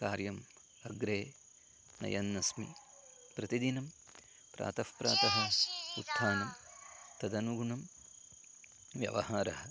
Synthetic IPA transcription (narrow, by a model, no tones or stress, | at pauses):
kaːɾjɐm | ɐɡɾeː | nɐ̰jɐnːɐsmḭ | pɾɐt̪id̪inɐm | pɾʔa̰ːt̪ɐfpɾa̰ːt̪ɐɦɐut̪ʰːaːnɐmt̪ɐd̪ɐnuɡuɳɐm | ʋjɐ̰ʋɐ̰ɦaːɾɐɦɐ